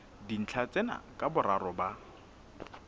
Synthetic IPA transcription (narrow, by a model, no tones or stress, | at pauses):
din̩t͡ɬʰat͡sʼɛna̰kʼabʊɾaɾɔba